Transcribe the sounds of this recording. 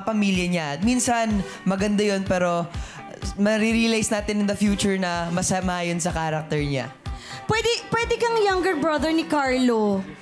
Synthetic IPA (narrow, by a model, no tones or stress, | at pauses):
ɐpɐmiljɐɲaɐt̪̚minsɐn | mɐɡɐnd̪ajonpɛːɾo̞ | mɐɾiɾilajsnaːt̪ɪnɪnd̪ɐfjuːt͡ʃʊɹnɐmɐsɐmɐʔaːjonsɐkaːɾɐk̚t̪ɛɹɲa̰pwɛd̪ɛpwɛd̪ɛkɐŋjɐŋɡɛɹbɹɐd̪ɛɹnɪkaɹlo